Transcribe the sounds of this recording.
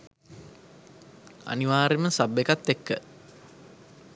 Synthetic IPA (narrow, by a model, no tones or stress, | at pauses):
a̰niʋaːɾeməsabːekat̪ːekːə